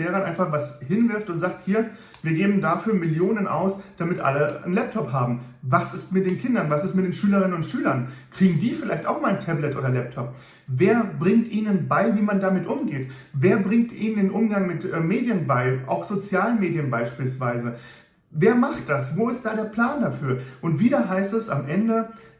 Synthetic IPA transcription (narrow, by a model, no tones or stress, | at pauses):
eːʁɐnʔaɪnfaχvashɪnvɪɐftʊntz̥aːk̚thiːɐ | viːɐɡeːbm̩dafyːɐmɪljoːnənʔa̰ʊsd̥amɪtʔa̰lənlɛp̚tʰɔphaːbm̩vasɪstmɪt̚d̥eːnkʰɪndɐnvasɪstmɪt̚d̥eːnʃyːləʁɪnənʊntʃyːlɐnkʁ̥iːɡŋ̩diːfɪlaɪçta̰ʊxmaːln̩tʰɛblɛtʔo̰ːdɐlɛp̚tʰɔp̚ | veːɐbʁɪŋtʔiːnənbaɪviːmandamɪtʔʊmɡeːtveːɐbʁɪŋtʔḭːnəndeːnʔʊmɡaŋmɪtʔɛmeːdjənbaɪʔa̰ʊxz̥ot͡sjaːlənmeːdjənbaɪʃpiːlsv̥aɪzə | veːɐmaχt̚d̥asvoːɪst̚d̥aːɾeːɐpl̥aːndafyːɐʔʊntv̥iːdɐɦaɪstɛsa̰mʔɛndə